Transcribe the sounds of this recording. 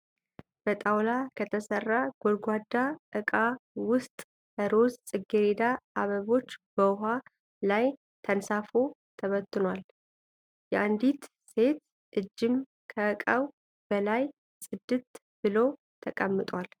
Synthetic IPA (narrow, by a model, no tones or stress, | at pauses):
b̥ət̪ʼawlakʰət̪ʰəsərːaɡ̥olɡʷad̪aʔɨkʼawʊst̪ʼ | əɾo̞zsʼɨɡeɾed̪aʔaβəβo̞t͡ʃːbəʊɦa | laj | t̪ʰənsafo̞t̪ʰəβət̪ːɨnwal | jɛʔand̪it̪ | se̞t̪ | ʔɨd͡ʒːɪm | kʰəːkʼəw | b̥əlaj | sʼɨd̪ːɨt̪ | b̥ɨlo̞ | t̪ʰəkʼəmːɨt̪ʼwal